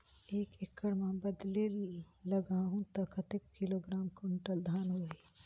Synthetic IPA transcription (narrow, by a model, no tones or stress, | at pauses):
eːkekʰːəɽmãbəd̪le | ləɡaːɦũt̪ɐkʰɐt̪ek̚kiloɡɾaːmkʊɳʈəld̪ʱaːnɦoːi